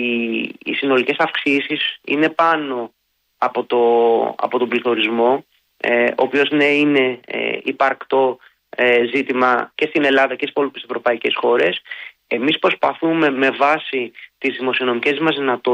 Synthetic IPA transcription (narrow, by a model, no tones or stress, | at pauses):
iːsino̞lice̞sɐfksisisḭne̞pɐno̞ | ɐpo̞t̪oɐ̰po̞t̪obliθo̞ɾizmo̞ | o̰pio̞zneine̞̰ipɐɾkt̪o̞ | ezit̪imɐce̞st̪ine̞lɐðɐcessipolut̪isevɾo̞pɐice̞sxo̞ɾe̞s | e̞mispɾo̞spɐθume̞me̞vɐsit̪izðimo̞sio̞no̞mice̞zðimɐzðinɐt̪o